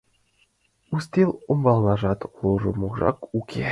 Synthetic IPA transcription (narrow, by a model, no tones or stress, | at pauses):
ust̪ʲelʲˠombɑlˠnˠɑʐɑt̪lˠoʐɤ̆muʁʐɑ̰kukʲʰe